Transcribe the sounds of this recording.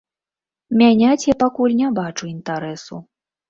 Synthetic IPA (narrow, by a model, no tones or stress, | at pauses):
mʲanʲat͡sʲjapakulʲnʲabat͡ʂuint̪aɾɛsu